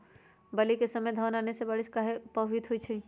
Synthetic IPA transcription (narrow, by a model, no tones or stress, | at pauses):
bəlikesəməjd̪ʱənanesebaɽiskaɦepəɦwit̪ɦojt͡ʃʰə